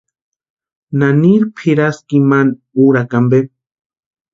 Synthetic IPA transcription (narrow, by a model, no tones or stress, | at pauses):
naniɾpʰiɾaskiman | uɾakambe